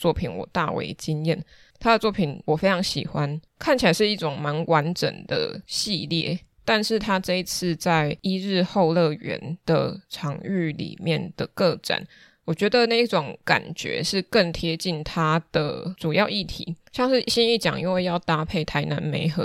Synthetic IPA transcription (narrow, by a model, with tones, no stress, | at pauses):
t͡swɔ˥˩pʰi˨˩nwɔ̰˨˩t̪a̰˥˨wḛ˧˥ɪt͡ɕi˥njɛ˥˩n | t̪ʰa˥d̪ə˨t͡swɔ˥˩pʰi˨˩nwɔ˨˩fe˥ɪʈ͡ʂʰɑ˧˥ŋɕḭ˨˩xwa˦n | kʰa˥˩nt͡ɕʰi˨˩a˨˦ɪʂɻ̩˥˧i˥˩ʈ͡ʂʊ˨˩ŋma˧˥nwʔa˧˦nʈ͡ʂə̰˨˩nd̪̥ə̰˦ɕi˥˧ljɛ̰˥˩t̪a˥˧nʂɻ̩˥˩t̪ʰa˥ʈ͡ʂɤ˥˧i˧˥t͡s̩ʰ˥˧t͡sa˥˩ɪi˥ɻɻ̩˥˧xo˥˧ʊlɤ˥˩ɥɛ̰˧˥nd̪̥ə̰˨ʈ͡ʂʰɑ˧˥ŋy˥˩lḭ˨˩mjɛ˥˨nd̪̥ə˩kɤ˥˧ʈ͡ʂa̰˨˩˦n | wɔ˨˩t͡ɕɥɛ˧˥d̪ə˨na˥˧i˥˩ʈ͡ʂʊ˨˩˦ŋka̰˨˩nt͡ɕɥɛ̰˧˥˦ʂɻ̩˥˧kə˥˩ŋt̪ʰjɛ˥t͡ɕi˥˩nt̪ʰa˥d̪̥ə̰˨ʈ͡ʂu˨˩jɑ˥˧ʊi˥˩t̪ʰḭ˧˥˦ɕjɑ˥˧ŋʂɻ̩˥˩ɕi˥ni˥˩t͡ɕjɑ̰˨˩˦ŋʔḭ˥nwe˥˧ɪjɑ˥˩ʊt̪a˥pʰe˥˩ɪt̪ʰa˧˦ɪna̰˧˥nmḛ˧˥ɪxɤ̰˧˦˥